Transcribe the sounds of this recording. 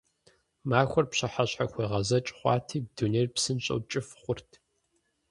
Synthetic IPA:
maːxʷɔrpɕɐħaɕħaxʷeːʁɐzɐt͡ʃʼχʷɑ̰ːtʰiːb̚duneːrpsɨnɕʼɐ̰wt͡ʃʼɪfχʷʊrtʰ

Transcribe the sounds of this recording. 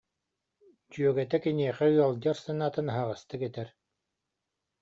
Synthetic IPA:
d͡ʑyœɡɛt̪ɛkɛniɛχɛɯɔlˠd͡ʑaɾsanaːt̪ɯnɦaʁast̪ɯkɛt̪ɛɾ

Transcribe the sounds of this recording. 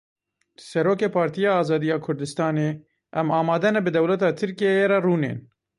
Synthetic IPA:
sɛɾoːkeːpʰɑːɾt̪ijɑːɑːzɑːd̪ijɑːkʰʊɾd̪ɨst̪ɑːneː | ʔɛmɑːmɑːd̪ɛnɛbɨd̪ɛwlɛt̪ɑːt̪ʰɨɾkijejeːɾɛruːnḛːn

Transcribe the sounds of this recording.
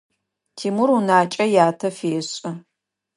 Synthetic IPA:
tʰiːmurunaːt͡ʃʼɐjaːtʰɐfeːɕʼɐ

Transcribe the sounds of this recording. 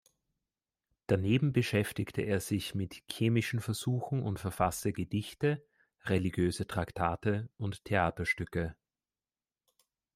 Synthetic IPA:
d̥aneːbm̩bəʃɛftɪktʰəʔeːɐz̥ɪçmɪtçeːmɪʃn̩fɛɐz̥uːxŋ̩ʔʊ̰ntfɛɐfastəɡədɪçtə | ʁeliɡjøːzətʁ̥aktʰaːtəʊntʰːeaːtɐʃtʏkə

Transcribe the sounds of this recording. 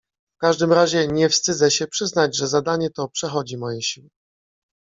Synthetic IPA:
fkaʐd̪ɘmɾaʑɛɲɛfst̪ɘd̪zɛɕɛpʂɘznad͡ʑʐɛzad̪aɲɛt̪ɔpʂɛxɔd͡ʑimɔjɛɕiwɛ

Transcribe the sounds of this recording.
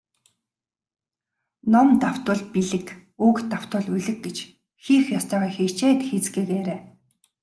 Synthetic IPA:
nɔmt̪aw̥t̪ʊ̆ɮpiɮɘ̆kuːkt̪ːaw̥t̪ʊ̆ːɮuɮɘ̆k̚ɡet͡ɕ | xiːxjɔst̪œːʁɔːxet͡ɕeːt̪xet͡sɡeːkeːɾeː

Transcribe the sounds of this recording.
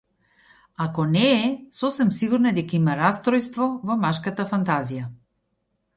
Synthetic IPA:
akɔnɛːsɔsɛmsiɡuɾnaɛd̪ɛkaimaɾast̪ɾɔjst̪vɔvɔmaʃkat̪afant̪azija

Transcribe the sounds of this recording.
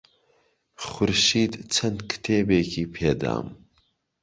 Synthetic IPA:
χʊɾʃiːd̪t͡sʰɐnd̪kʰɨ̥t̪ʰeːbeːkʰiːpʰeːd̪a̰ːm

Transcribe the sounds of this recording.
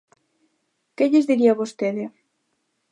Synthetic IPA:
keʎɪzðiɾiaβost̪eðɪ

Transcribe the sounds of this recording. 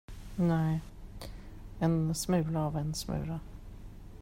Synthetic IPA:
næɪ | ɛnsmʉːlaɑʋɛnsmœ̰ːɾə

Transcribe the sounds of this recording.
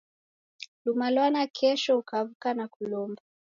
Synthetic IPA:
lumalwanakʰɛʃɔukavukanakulɔmba

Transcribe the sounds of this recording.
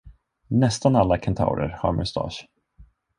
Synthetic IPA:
nɛst̪analːakʰant̪ʰa̰wɾə̰ɾhaɾmʔɵst̪ɑ̰ːʃ

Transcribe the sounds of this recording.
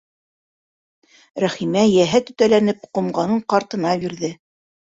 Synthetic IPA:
ɾæχimæjæɦæt̪ɵ̆t̪ælænɘp̚qŏmɢɑnɤɴqɑɾt̪ɤ̆nɑbiɾðɘ

